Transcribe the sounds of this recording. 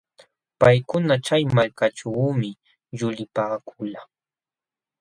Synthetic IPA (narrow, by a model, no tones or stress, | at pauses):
pajkʊnat͡ʃajmalkat͡ʃawmɪ | ʎʊlɪpaːkʰʊla